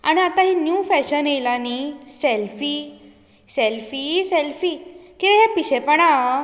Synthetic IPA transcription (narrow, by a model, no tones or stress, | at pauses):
a̰ɽ̃iat̪aɦinjufɛɕənejlaniselfi | selfiselfiːkĩʋə̃ɦjapiɕepəɳa